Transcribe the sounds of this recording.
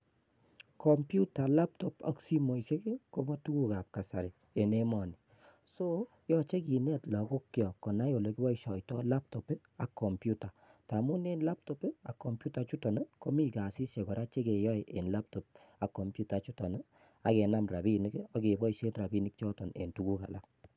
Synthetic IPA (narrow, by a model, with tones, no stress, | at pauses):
kʰɔ˨mpju˦ta˨la˦p̚tɔ˨pɔ̰˨˦ksi˦mo˨ise˦ke˦ko˦mɔ˦tu˦ku˦ka˨p̚ka˨sa˨ɾɪ˨ | e˨ne˦mɔ˨ni | so˦ | jɔ˦t͡ʃe˦ki˨nɛ˦˨tlɔ˨ko˦kːjɔ˨kɔ˨na˦jo˨le˨ki˦bɔ˦i˦ʃɔ˨jtɔ˦la˦p̚tɔ˨pe˦ | a˨kːɔ˨mpju˦ta˨ta˨mu˦ne˦nla˦p̚tɔ˨pe˦a˨kːɔ˨mpju˦ta˨˦t͡ʃu˦tɔ˨n˦ko˦mi˦ka˨si˦sje˨kɔ˨ɾa˦t͡ʃe˦ke˨jɔ˦ɪ˨ʔe˨nla˦p̚tɔ˨p̚ | a˨kːɔ˨mpju˦ta˨˦t͡ʃu˦tɔ˨nɨ˦ | a˨ke˨na˦mra˨bi˦ni˦kɔ˦ke˨bɔ˦i˨ʃe˦nra˨bi˦ni˦k̚t͡ʃɔ˦tɔ˨nḛ˨ntu˦ku˦ka̰˨la˦k̚